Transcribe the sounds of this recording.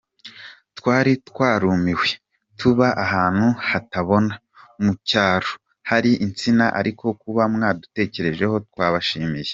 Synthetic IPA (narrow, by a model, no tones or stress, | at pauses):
twaːɾitkwaːɾuːmiwe | tʰuβaʔaɦaːn̥huhataβo̞na | mucaːɾo | haɾiʔint͡sinaʔa̰ɾikʰo̞kuβamŋaːdute̞ːce̞ɾe̞ʒe̞ho̞twaːβaʃiːmije